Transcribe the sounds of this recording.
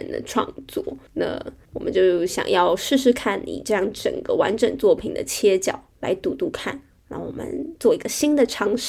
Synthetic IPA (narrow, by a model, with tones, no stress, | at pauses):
nd̪ə̰˧ʈ͡ʂʰwɑ̰˥˧ŋt͡swɔ˥˩na̰˥˩wɔ˨˩mə̰˦nt͡ɕjo˥˩ʊɕjɑ̰˨˩ŋjɑ˥˧ʊʂɻ̩˥˧ʂɻ̩˧˥kʰa˥˩nnḭ˨˩ʈ͡ʂɤ˥˧jɑ˥˩ŋʈ͡ʂə̰˨˩ŋɡ̥ə˧˦wa˧˥nʈ͡ʂə˨˩ŋt͡swɔ˥˩pʰi˨˩ŋd̪ə̰˦t͡ɕʰjɛ˥t͡ɕjɑ˨˩ʊla˧˥ɪt̪u˧˥t̪u˥˧˩kʰa˥˩n | ɻa˥˩ŋwɔ˨˩mʔə̰˦nt͡swɔ˥˩i˧˥ɡə˧ɕi˥nd̪ə˨ʈ͡ʂʰɑ˥ŋʂ